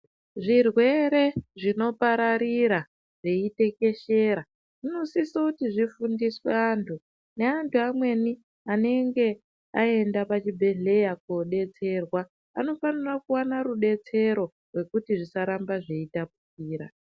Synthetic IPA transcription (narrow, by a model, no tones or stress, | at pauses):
ʐirwe̞ɾe̞ʐino̞paɾaɾiɾa | ʐeite̞ke̞ʃe̞ɾa | ʐino̞sisokutiʐifundisweantʰu | ne̞antʰuamwe̞ni | ane̞ŋɡe̞ | ae̞ndapat͡ʃibʱe̞ɮe̞jakoɗe̞t͡se̞rwaː | no̞fanirakuwanaɾuɗe̞t͡se̞ɾo̞ | rwe̞kutiʐisaɾambaʐeitap̚ukiːɾa̰